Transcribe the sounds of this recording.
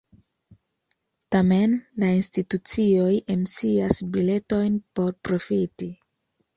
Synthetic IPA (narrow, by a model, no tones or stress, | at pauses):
tame̞nlainstitut͡sio̞jemsiasbile̞to̞jnpo̞ɾpɾo̞fiti